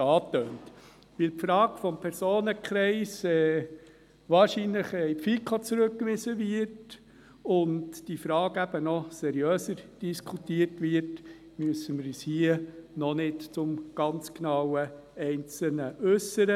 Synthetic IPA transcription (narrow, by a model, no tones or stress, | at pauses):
ɑːt̪øːnt | ʋɪlpfɾɑːɡfɔmpʰɛɾsoːnəkχɾɛɪsɛː | ʋɑːɾʃiːnləχɛɪpfikʰot͡sɾɵkkːʋɪsəʋɪrt | ʊndd̥ifɾɑːɡæb̥ənɔsɛɾjøːsəɾd̥iskʰutiərtʋɪrt | myəsːəməɾishiənɔnɪtt͡sʊmɡ̥ɑnt͡sknɑwəɛɪnt͡sl̩nəʔɵsːəɾə